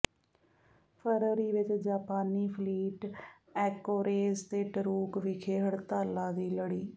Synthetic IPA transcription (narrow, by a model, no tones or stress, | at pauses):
pʰəɾɾiːʋɪt͡ʃd͡ʒaːpaːniːpʰliːʈ | ɛːkoːɾeːzt̪eːʈəɾuːkʋikʰeːɦəɽt̪aːlãːd̪iːləɽiː